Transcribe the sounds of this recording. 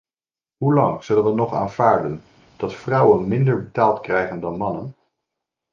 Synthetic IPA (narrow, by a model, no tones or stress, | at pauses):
ɦulɑŋz̥ɵlənʋənɔχa̰ːnvaːɹdən | d̥ɑtfrɑwənmɪndəɹbətaːlˠtkrɛjχəndɑnmɑnən